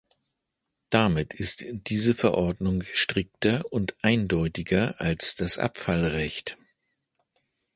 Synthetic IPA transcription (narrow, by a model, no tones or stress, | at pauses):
d̥amɪtʰɪstd̥iːzəfɛɐʔɔɐdnʊŋʃtʁ̥ɪk̚tɐʊntʔaɪndɔʏtɪɡɐʔalsd̥asʔa̰pfalʁɛçt